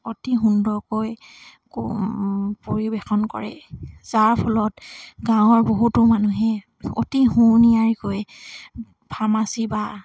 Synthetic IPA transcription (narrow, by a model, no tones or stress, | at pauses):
otiɦundɔɹkojk | poɹibexɔnkɔ̰ɹɛzaɹpʰɔlɔtɡãʊ̃ɔɹboɦutʊmanuɦɛ | o̰tiɦunijaɹikoj | bʰʱamasiba